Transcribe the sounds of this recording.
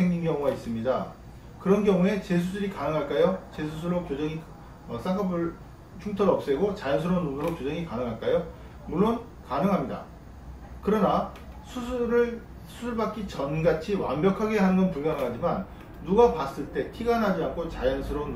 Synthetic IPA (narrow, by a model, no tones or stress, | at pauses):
eŋɲimɡjʌŋuɡais͈ɯmɲida | kɯɾʌnɡjʌŋue̞t͡ɕe̞s̬ʰusʰɯɾikanɯŋɦaɭk͈ajot͡ɕe̞sʰusʰɯɾokjod͡ʑʌŋi | ʌs͈aŋkʰʌbɯɭ | t͡ɕʰuŋtʰʌɾʌp̚s͈e̞ɡot͡ɕajʌns̬ʰɯɾonunɯɾokjod͡ʑʌŋikanɯŋɦaɭk͈ajo | muɭːon | kanɯŋɦamɲida̰ | kɯɾʌna | sʰusʰɾɯ | sʰusʰuɭbak͈it͡ɕʌnɡat͡ɕʰiwa̰mbjʌkʰaɡe̞ɦanɯnɡʌnpuɭmjʌŋɦɯɭɦad͡ʑimanː | uɡapas͈ɯɭt͈e̞tʰiɡanɦad͡ʑiankʰot͡ɕajʌnsʰɯɾo